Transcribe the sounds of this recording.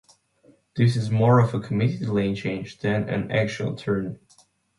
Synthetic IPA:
ðɪsɨzmɔɹʌvəkʰəmɪɾilẽɪ̃nt͡ʃʰẽɪ̃nd͡ʒðɨ̃nɨ̰̃næ̰kt͡ʃl̩ˠtʰɜ̃˞n

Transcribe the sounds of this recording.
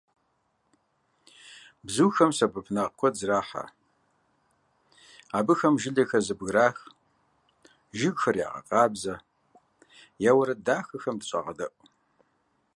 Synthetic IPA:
bzuːxɐmsɐbʰɨpʰnɐqkʷʰɔzraːħa̰ | aːbɨxɐmʒɪɮɐxɐzɨbɣɾaːx | ʒɪɡxɐrja̰ːʁɐ̰qʼɑːbzɐ | jaːwɐɾɐdaːxɐxɐmdɨɕʼa̰ʁɐ̰dɐʔʷʼ

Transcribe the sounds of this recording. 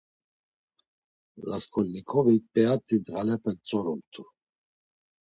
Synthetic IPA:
laskʰɔlnikʰɔvipʼɛat̪ʼid̪ʁalɛpʰɛt͡sʼɔɾumt̪ʰu

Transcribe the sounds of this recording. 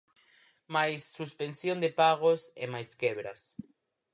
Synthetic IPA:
majsːuspensjõnd̪epaɣosemajskeβɾa̰s

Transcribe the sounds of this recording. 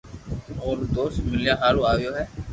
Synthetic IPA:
koːɾd̪oːst̪mɪlijaɦaːluaːʋjoːɦɛː

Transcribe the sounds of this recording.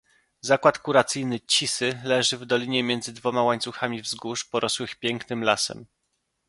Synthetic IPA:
zakwat̪kuɾat̪sɘjnɘt͡ɕisɘlɛʐɘvd̪ɔlʲiɲɛmʲjɛnd̪zɘd̪vɔmawaɲt̪suxamʲivzɡuʂpɔɾʔɔswɘxpʲjɛŋknɘmlasɛ̰m

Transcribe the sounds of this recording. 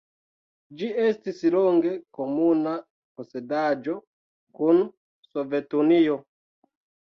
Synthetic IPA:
d͡ʒiestisloŋɡekomuna | posedad͡ʒo | kun | sovetunio

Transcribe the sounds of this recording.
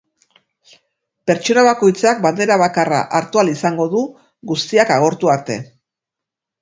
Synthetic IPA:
pe̞ɾt͡ʃo̞naβako̞jt͡sak̚band̪e̞ɾaβ̞akara̰ʔaɾt̪ualisaŋɡo̞ðu | ɣust̪iakaɣ̞o̞ɾt̪uaɾt̪e̞̰

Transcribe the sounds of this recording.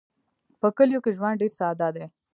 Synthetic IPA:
pəkəljokeʒwanɖeɾsaːd̪ad̪e

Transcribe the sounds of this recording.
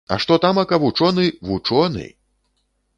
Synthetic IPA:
ɐ̰ʂt̪ɔt̪amɐkɐvut͡ʂɔnɨvut͡ʂɔnɨ̰

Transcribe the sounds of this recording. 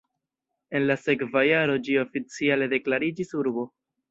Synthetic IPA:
e̞nlase̞kvajaɾo̞d͡ʒio̞fit͡siale̞de̞klaɾid͡ʒisuɾbo̞

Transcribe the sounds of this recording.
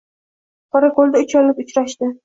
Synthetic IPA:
qʰɒɾakolˠd̪aʊt͡ʃʰɒlːɪpʊt͡ʃɾaʃt̪ɪ

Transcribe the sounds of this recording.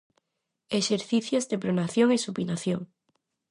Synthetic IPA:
eʃeɾθiθjozdepɾonaθjoŋesupinaθjoŋ

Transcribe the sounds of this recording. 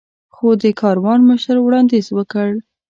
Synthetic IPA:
xod̪əkɑɾwɑnməʃəɾwɽɑnd̪izwəkəɽ

